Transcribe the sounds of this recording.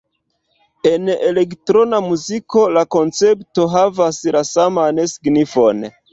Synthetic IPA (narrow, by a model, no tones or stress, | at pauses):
e̞ne̞le̞ktɾo̞namuziko̞lako̞nt͡se̞pto̞ɦavaslasamanesi̥ɡnifo̞n